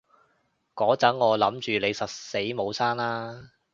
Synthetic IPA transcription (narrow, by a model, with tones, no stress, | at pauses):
kɔː˨˥t͡sɐ˨˥ŋŋɔː˨˧lɐ˨˥mt͡ʃyː˨le˨˧jsɐ˨t̚se˨˥jmo˨˧wsaː˥nlaː˥